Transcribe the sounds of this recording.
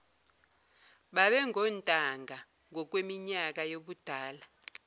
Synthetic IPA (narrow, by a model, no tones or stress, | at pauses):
ɓaɓɛŋʱɔntʼaŋɡʱa | ŋʱɔk̬wemiɲak̬ajoɓud̥ʱaːla